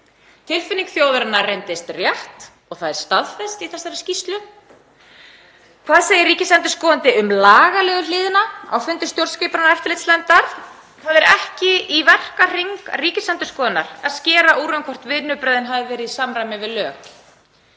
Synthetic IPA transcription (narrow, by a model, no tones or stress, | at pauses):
t̪ʰɪlfɪniŋkθjoːwðʏɾɪnarejnt̪ɪst̪rjaht̪ | ɔɣθaðɛɾ̥st̪aðfɛst̪iθɛsaɾscist̪lʏ | kʰv̥aːðseːjɪriːcɪsɛnt̪ʏskɔːðant̪ɪʏmlaːɣalɛːɣʏlɪːðɪnaa̰wfʏnt̪ɪ̥st̪jowɾscejpɾnaajft̪ɪlɪjt̪slɛnt̪aɾ | kθaːðɛɾɛhcɪivɛr̥kar̥iŋkriːcɪsɛnt̪ʏskɔːðanːa̰ɾaðscɛːɾaʔuːɾœŋkʰɔr̥t̪vɪðnʏpɾajðɪnɦaːvɪvɛːɾɪðsaːmɾajmɪvɪlœːk